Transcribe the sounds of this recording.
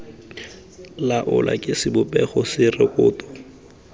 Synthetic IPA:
laʔʊlʔa̰kʼɪsɪbʊpʼɛχɔsɪrɪkʼʊːtɔ̥

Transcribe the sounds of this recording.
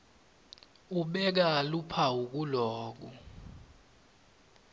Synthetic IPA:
uɓɛk̬alupʰauk̬ulɔːk̬u

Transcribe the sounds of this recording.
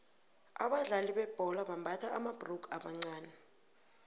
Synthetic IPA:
a̰ɓaɮaliɓɛb̥ʱɔlaɓambʱatʰaamab̥rukʰaɓaŋ͡ǀaːnɛ

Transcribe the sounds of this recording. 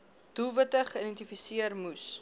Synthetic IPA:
d̥ulˠvətəχəidɛntifisiərmus

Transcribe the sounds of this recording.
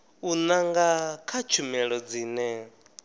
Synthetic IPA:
unaŋɡakʰat͡ʃʰumɛɺɔd͡ziːnɛ

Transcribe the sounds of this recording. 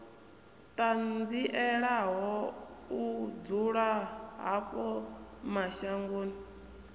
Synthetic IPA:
tʼand͡ziʔɛɺaɦɔud͡zuɺaɦa̰ɸɔmaʃaŋɡoːni

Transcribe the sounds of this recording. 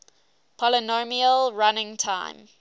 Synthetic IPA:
pʰɔlənomiəlɹanɪ̃ŋtʰãɪ̃m

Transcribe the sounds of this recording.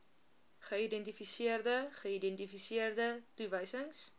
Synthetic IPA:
χəidɛntifisiərdəχəidɛntifisiərdətuvəjsəŋs

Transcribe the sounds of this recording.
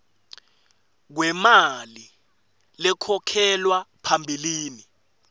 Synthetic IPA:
k̬wɛmali | lɛkʰɔkʰɛlwapʰambʱiliːni

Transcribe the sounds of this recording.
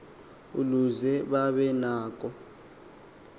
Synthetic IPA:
uluzɛɓaɓɛnaːk̬ʼɔ

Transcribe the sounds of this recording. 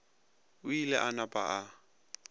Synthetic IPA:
ʊilɛʔanapʼa̰ʔa

